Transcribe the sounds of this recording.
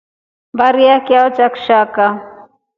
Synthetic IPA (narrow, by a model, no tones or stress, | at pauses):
baɾjakjaot͡ʃɐkʃaːka